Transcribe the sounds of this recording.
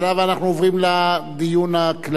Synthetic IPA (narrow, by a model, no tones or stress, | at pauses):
lavanaχnuovʁimlad̪ijunakla